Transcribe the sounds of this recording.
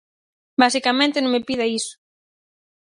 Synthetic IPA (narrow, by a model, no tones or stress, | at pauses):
basikamẽnt̪ɪnõŋmepiðaisʊ̥